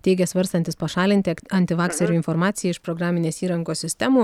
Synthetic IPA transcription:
t̪ʲɛɪɡʲɛsʋɐɾst̪ɐnt̪ʲɪspɐʃɑːlʲɪnʲt̪ʲɪɐnʲt̪ʲɪʋɑːksʲɛɾʲuːɪnfoɾmɑːt̪sʲɪjɛɪʃpɾoːɡɾɑːmʲɪnʲeːsiːɾɐŋkoːssʲɪsʲt̪ʲɛmuː

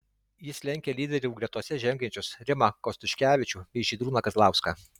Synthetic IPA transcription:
jɪsʲlʲɛŋʲkʲeːlʲiːd̪ʲɛɾʲɛʊɡɾʲɛt̪uɔsʲɛʒʲɛŋʲɡʲɛnʲt͡ʃʲʊsɾʲɪmɐkɔsʲt̪ʊʃʲkʲæːʋʲɪt͡ʃʲuːʋʲɛɪʒʲiːd̪ɾuːnɐkɐzlˠɑˑʊskɑ

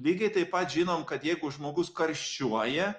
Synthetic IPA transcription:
lʲiːɡʲɛɪt̪ɐɪppɐt̪ʒʲɪnoːmkɐt̪jɛɪɡʊʒmoːɡʊskɐɾʲʃʲt͡ʃʲuɔjɛ

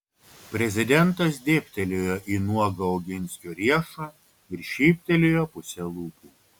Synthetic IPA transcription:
pʲɾʲɛzʲɪd̪ʲɛnt̪ɐsd̪ʲeːpʲt̪ʲɛlʲoːjoːʔiːnuɔɡɐɔʊɡʲɪnʲsʲkʲoːɾʲiɛʃo | ɪɾʃʲiːpʲt̪ʲɛlʲeːjoːpʊsʲɛlˠuːpʲuːˑ

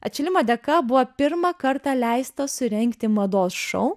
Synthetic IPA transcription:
ɐt̪ʲt͡ʃʲɪlʲɪmoːd̪ʲɛkɐbʊʋɐpʲɪɾmɐkɐɾt̪ɑlʲæɪst̪ɐsʊɾʲɛŋkt̪ʲɪmɐd̪oːsʃɐ̰ʊ

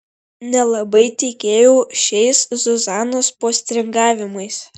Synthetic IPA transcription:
nʲɛlˠɐbɐɪt̪ʲɛkʲeːjoːʃʲɛɪszɔzɑːnoːspoːsʲt̪ʲɾʲɪŋɡɑːʋʲɪmɐɪs

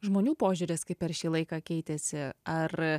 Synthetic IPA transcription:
ʒmoːnʲuːpoːʒʲʊɾʲɪskɐɪppʲːɛɾʃʲiːlˠɐɪkɑːkʲɛɪt̪ʲɛsʲɪɐr

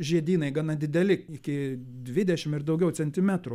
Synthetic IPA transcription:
ʒʲiɛd̪ʲiːnɐɪɡɑnɐd̪ʲɪd̪ʲɛlʲɪɪkʲɪd̪ʲʋʲɪd̪ʲɛʃʲɪmɪrd̪ɐʊɡʲɛʊt͡sʲɛnʲt̪ʲɪmʲæt̪ɾʊ

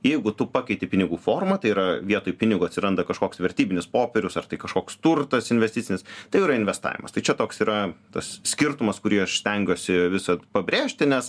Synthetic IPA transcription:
jɛɪɡʊt̪ʊpɑkʲɛɪt̪ʲɪpʲɪnʲɪɡuːfoːrmɐt̪ɐɪiːɾɐʋʲiɛt̪oːjʊpʲɪnʲɪɡʊɐt̪ʲsʲɪɾɐnd̪ɐkɐʃkoːksʋʲɛɾʲt̪ʲiːbʲɪnʲɪspoːpʲɛɾʲʊsɐrt̪ɐɪkɐʃkoːkst̪ʊrt̪ɐsɪnʲʋʲɛsʲt̪ʲɪt̪sʲɪnʲɪst̪ɐɪiːɾɐɪnʲʋʲɛst̪ɑ̰ːʋʲɪ̰mɐ̰st̪ɐɪt͡ʃʲɛt̪oːksiːɾɐt̪ɐssʲkʲɪrt̪ʊmɐskʊɾʲiɛʃsʲt̪ʲɛŋʲɡʲoːsʲɪʋʲɪsɐpɐbʲɾʲeːʃʲt̪ʲɪnʲɛs

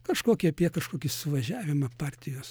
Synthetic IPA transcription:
kɐʃkoːkʲɪɐpʲiɛkɐʃkoːkʲɪssʊʋɐʒʲæːʋʲɪmɐpɑrʲt̪ʲɪjoːs

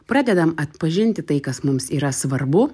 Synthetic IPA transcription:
pɾɑːd̪ʲɛd̪ɐmɐt̪pɐʒʲɪnʲt̪ʲɪt̪ɐɪkɐsmʊmsiːɾɐsʋɐɾbʊ

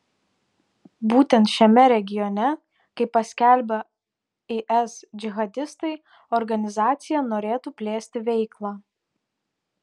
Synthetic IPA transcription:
buːt̪ʲɛnt̪ʃʲɛmʲɛɾʲɛɡʲɪjɔnʲɛ | kɐɪpːɐsʲkʲɛˑlʲbʲɛ | eʔɛsd͡ʒʲɪɣɐd̪ʲɪst̪ɐɪ | ɔɾɡɐnʲɪzɑːt̪sʲɪjɛnoːɾʲeːt̪uːpʲlʲeːsʲt̪ʲɪʋʲɛɪklˠɑː

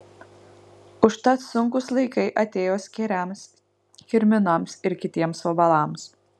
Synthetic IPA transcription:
ʊʃt̪ɐt̪sʊŋkʊslˠɐɪkɐɪʔɐt̪ʲeːjoːsʲkʲɛɾʲɛˑms | kʲɪɾʲmʲɪnɐmsɪɾkʲɪt̪ʲiɛmsoːbɐlˠɑˑms

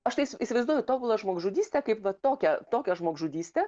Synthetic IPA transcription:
ɐʃt̪ɐɪsɪsʲɪʋɐɪzd̪uːjʊt̪oːbʊlˠɐʒmoːɡʒuːd̪ʲiːsʲt̪ʲɛkɐɪpʋɐt̪oːkʲɛt̪oːkʲɛʒmoːɡʒuːd̪ʲiːsʲt̪ʲɛ

